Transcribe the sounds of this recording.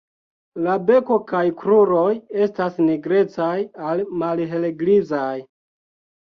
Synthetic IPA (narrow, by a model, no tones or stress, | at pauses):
labe̞ko̞kajkɾuɾo̞je̞stasniɡɾe̞t͡sajalmalɦe̞leɡlizaj